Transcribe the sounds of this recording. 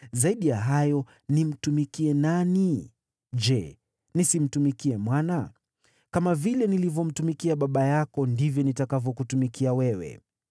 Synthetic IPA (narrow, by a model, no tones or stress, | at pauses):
zaiɗijaɦajɔ | nim̩tumikiɛnani | d͡ʒɛ | nisim̩tumikiɛmwana | kamavilɛnilivjɔm̩tumikiaɓaɓajakɔndivjɔnitakavjɔkutumikiawɛwɛ̰